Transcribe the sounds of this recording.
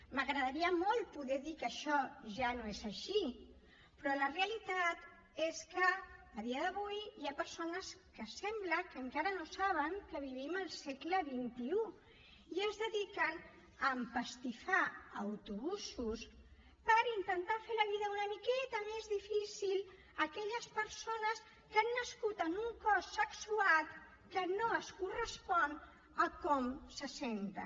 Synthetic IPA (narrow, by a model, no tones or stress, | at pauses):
məɣɾəðəɾiəmɔlˠpuðɛðikəʃɔʒanoezəʃi | pɾɔləreəlit̪at̪ | eskəːð̞iəðəβujjapəɾsonəskəsɛmbləkəŋkaɾənosaβəŋkəβ̞iβiməlˠsɛkləβint̪iu | iəzðəðikən | əmpəst̪ifaəwt̪uβusus | pəɾint̪ənt̪afeləβiðəunəmikɛt̪əmezðifisil | əkɛʎəspəɾsonəs | kanːəskut̪ənuŋkɔsəksuat̪ | kənoəskurəspɔn | əkɔmsəsɛnt̪ə̰